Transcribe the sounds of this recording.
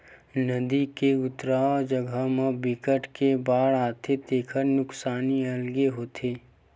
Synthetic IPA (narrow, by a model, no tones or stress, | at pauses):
nəd̪ikeʊt̪ɾaːd͡ʒəɡʱəmẽbɪkəʈkebaːɽaːt̪ʰet̪eːkʰəɾnʊksaːniɐlɡeɦoːt̪ʰeː